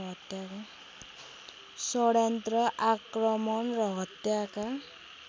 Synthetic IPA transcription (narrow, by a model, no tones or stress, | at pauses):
ɦʌt̪jaka | sɔɽjant̪rɔʔakɾɔmɔnrɔɦʌt̪jaka